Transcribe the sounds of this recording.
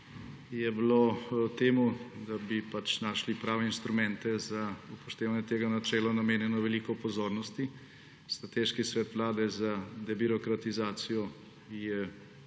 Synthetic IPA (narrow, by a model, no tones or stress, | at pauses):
jɛblot̪eːmud̪abipat͡ʃnaːʃlipɾaːʋɛinst̪ɾumɛ̃nt̪ɛzaupɔʃt̪eːʋanɛt̪eːɡanat͡ʃɛːlanameːnjɛnɔʋɛliːkɔpɔzoːɾnɔst̪i | st̪ɾat̪eːʃkisʋɛːt̪ʋlaːd̪ɛzad̪ɛbiɾɔkɾat̪izaːt̪sijɔ | jɛ